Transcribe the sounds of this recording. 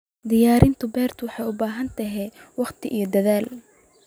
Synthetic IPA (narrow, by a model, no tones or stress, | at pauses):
d̪ɪjaːɾɪnt̪ʰʊbɛːrt̪ʰʊwɑħɑjʊbaːɦɐnt̪ʰɐɦɛwɑχt̪ʰɪʔijɞd̪ɐðaːl